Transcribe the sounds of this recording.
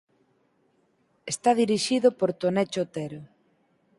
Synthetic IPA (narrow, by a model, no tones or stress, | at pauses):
est̪aðiɾiʃiðʊpoɾt̪onɛt͡ʃot̪ɛɾʊ